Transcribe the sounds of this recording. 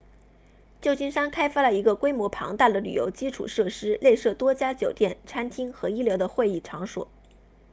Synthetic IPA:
t͡ɕjo˥˩ʊt͡ɕi˥nʂa˥nkʰa˥ɪfa˥˩lə˩i˧˥ɡə˧kwe˥ɪmwɔ˧˥pʰɑ̰˧˥ŋt̪a˥˩d̪ə˩ly̰˨˩jo̰˧˥ʊt͡ɕi˥ʈ͡ʂʰṵ˨˩ʂɤ˥˩ʂɻ̩˥le˥˧ɪʂɤ˥˩t̪wɔ˥t͡ɕja˥t͡ɕjo˨˩ʊt̪jɛ˥˩nʈ͡ʂʰa˥nt̪ʰi˥ŋxɤ˧˥i˥ljo˧˥ʊd̪ə˧xwe˥˧ɪi˥˩ʈ͡ʂʰɑ˧˥ŋʂwɔ̰˨˩˦

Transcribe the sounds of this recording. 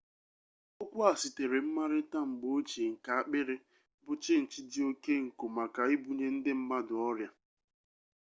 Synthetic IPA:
o˦kʷʊ˦a˨sɪ˨te˨ɾe˨m̩˦ma˦ɾɪ˦ta˦m̩˨ɡ͡bo˦t͡ʃe˨ŋ̩˨ka˨a˦k͡pɪ˦ɾɪ˦ | bʊ˨t͡ʃɪ˦n̩˨t͡ʃɪ˦dɪ˦o˦ke˦ŋ̩˨ko˨ma˨ka˨i˦bu˨ɲe˦n̩˦dɪ˦m̩˦ma˦dʊ˨ɔ˦ɾja˦

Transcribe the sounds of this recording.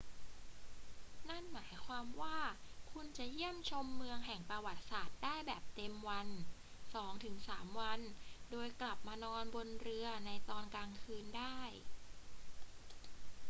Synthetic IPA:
na˥˩nmaː˩˦jkʰwaː˧mwaː˥˩kʰu˧nt͡ɕa˨˩ji˥˩əmt͡ɕʰo˧mːɯ˧əŋɦɛ˨˩ŋpɾa˧wa˨˩t̪̚saː˨˩t̪̚daː˥˩jbɛː˨˩p̚t̪e˧mwa˧n | sɔː˩˦ŋt̪ʰɯ˩˦ŋsaː˩˦mwa˧ndoː˧jkla˨˩p̚maː˧nɔː˧nbo˧nɾɯ˧ɐna˧jt̪ɔː˧nkaː˧ŋkʰɯː˧ndaː˥˩j

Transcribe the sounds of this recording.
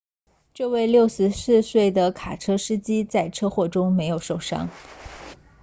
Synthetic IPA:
ʈ͡ʂɤ˥˧we˥˧ɪljo˥˩ʊʂɻ̩˧˥sɹ̩˥˧swe˥˩ɪd̪ə˩kʰa˨˩ʈ͡ʂʰɤ˥ʂɻ̩˥t͡ɕi˥t͡sa˥˩ɪʈ͡ʂʰɤ˥xwɔ˥˩ʈ͡ʂʊ˥ŋme˧˥ɪjo˨˩ʊʂo˥˩ʊʂɑ̰˥ŋ

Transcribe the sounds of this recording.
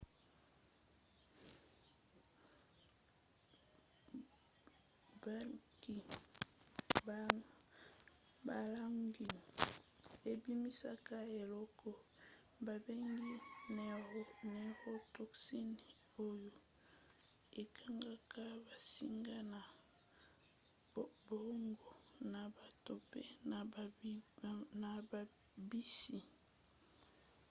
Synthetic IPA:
ba˦ki˨ | ba˨la˦ŋɡi˨ | e˨bi˦mi˦sa˦ka˦e˨lɔ˦kʰɔ˨ | ba˨be˦ŋɡi˦n˨˦ne˨ho˦tɔ˨ksi˦ni˨ | o˦jo˦ | e˨kʰa˦ŋɡa˦ka˦ba˨si˦ŋɡa˦na˨ | bo˨˦ŋɡo˨na˨ba˨to˨pe˦na˨ | na˨ba˨ | bi˦si˨

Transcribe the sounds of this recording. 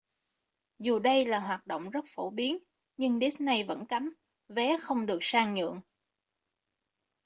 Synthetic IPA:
zu˨˩ɗə˧jlaː˨˩ɦwaː˨˩t̚ɗo̰˧˨wŋ͡mzə˦˥t̚fo˧˩ɓi˨˦ən | ɲɨ˧ŋɗi˦˥s̚na˧jvə̰˧˥nka˨˦m | vɛ˨˦xə˧wŋ͡mɗɨ˨˩ək̚saː˧ŋɲɨ̰˧˨əŋ

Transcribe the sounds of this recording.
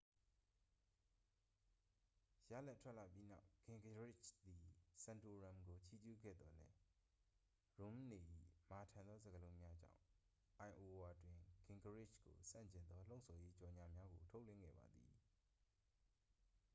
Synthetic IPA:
ja̰˦˨lɛ˦˨tʰwɛ˦ʔla˨pji˦na˦ʊkɪ̃˨ŋɡə˨ɹɪ˦t͡ʃd̪i˨sã˨ndo˨ɹã˨mɡo˨t͡ɕʰi˦d͡ʑu˦˨ɡɛ̰˦˨d̪ɔ˨lɛ˦ | ɹo˨m˦˨ne˨ʔḭ˦˨ma˨tʰã˨nd̪ɔ˦zə˨ɡəlõ˦mja˦d͡ʑã̰˦˨ | ʔã˨ɪ̃ʔo˨wa˨dwɪ̃˨ɡɪ̃˨ŋɡə˨ɹɪ˦˨t͡ʃko̰˨sã̰˦˨ɲt͡ɕɪ̃˨nd̪ɔ˦l̥õ˦˨sʰɔ˨je˦t͡ɕɔ˨ɲa˨mja˦ɡo˨tʰo˦ʊʔlwɪ̰̃˦˨ŋɡɛ̰˦˨ba̰˨d̪ðḭ˨

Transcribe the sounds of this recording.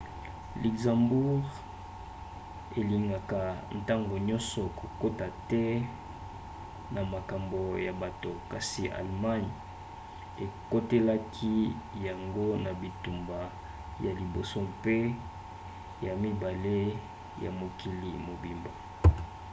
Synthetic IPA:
li˨ɡzã˨mbu˦ʁ | e˨li˨ŋɡa˨ka˨n̩˨ta˦ŋɡo˨ɲɔ˦nsɔ˨ko˨ko˦ta˨tɛ˦ | na˨ma˨ka˨mbo˨ja˨ba˨to˨ka˨si˨ʔa̰˨lma˦n | e˨ko˦te˦la˦kʰi˦ja˨ŋɡo˦na˨bi˨tu˨mba˨ | ja˨li˨bo˨so˦mpe˦ | ja˨mi˦ba˨le˦ | ja̰˨mo˨ki˨li˨mo˨bi˨mba˨

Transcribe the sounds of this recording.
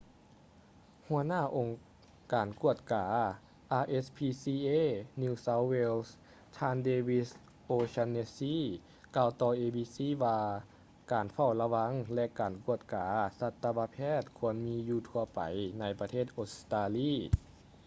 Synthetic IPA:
hu˧˩ənaː˧˥˩ʔo˨˩ŋ | kaː˨˩nku˧˥˩ət̪̚kaː˨˩˦ | ʔaː˧ʔe˧˥spʰiː˧siː˧ʔeː˧˥˨ni˧sa˧˦˥wwe˧ls | t̪ʰaː˧ndeː˧wi˧s | ʔoː˧sa˧nːe˧siː˧˥˨ | kaː˧wt̪ɔː˧ʔeː˧biː˧˥siː˧˥˨ʋaː˧ | kaː˨˩nfa˧˩wla˧wa˧˥ŋlɛ˧ʔkaː˨˩nku˧˩ət̪̚kaː˨˦sa˧t̪ːa˧ba˧˥pʰɛː˥˩t̪̚kʰu˧˥˨ənmiː˧˥juː˧t̪ʰu˧ɐpa̰˨˩jna˧˥jpa˧t̪ʰeː˥˩t̪̚ʔo˧˦˥t̪aː˧liː˧˥˨

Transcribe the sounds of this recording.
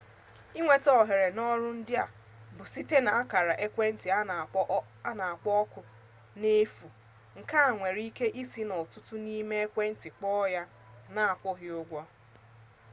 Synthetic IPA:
i˦ŋʷe˨tɔ˦˨ɦe˨ɾe˨nɔ˦ɾʊ˦n̩˦dɪ˦a˨ | bʊ˨si˦te˦na˨a˦ka˨ɾa˨ʔe˦kʷe˦n̩˦tɪ˨˦ | na˨a˨k͡pɔ˦kʊ˨ | ne˦fu˨ | ŋ̩˨ka˦a˨ŋʷe˨ɾi˦ke˦ʔi˦si˦nɔ˨tʊ˦tʊ˦ni˦me˦e˦kʷe˦n̩˦tɪ˨k͡pɔ˦ja˦ | na˦˨a˨k͡pɔ˦ɦɪ˦o˦ɡʷɔ˦

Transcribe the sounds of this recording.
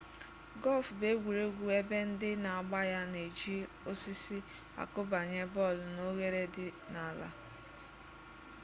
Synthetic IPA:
ɡɔ˦lfbe˦ɡʷu˨ɾe˦ɡʷu˨e˦be˦n̩˦dɪ˦na˨a˨ɡ͡ba˦ja˦ne˨d͡ʒi˦ | o˦si˦si˦ | a̰˨kʊ˦ba˨ɲe˦bɔ˦˨lno˦ɣe˦ɾe˦dɪ˦na˨la̰˦

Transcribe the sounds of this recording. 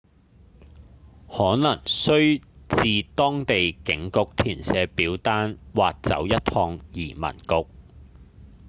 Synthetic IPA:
hɔː˨˥nɐ˨˩ŋsɵ˥ɥt͡siː˨t̪ɔː˥ŋt̪e˨jkɪ˨˥ŋkʊ˨k̚t̪ʰiː˨˩nsɛː˨˥piː˨˥wt̪aː˥nwaː˨k̚t͡sɐ̰˨˥wjɐ˥t̚tʰhʰɔː˧ŋjiː˨˩mɐ̰˨˩nkʊ˨k̚

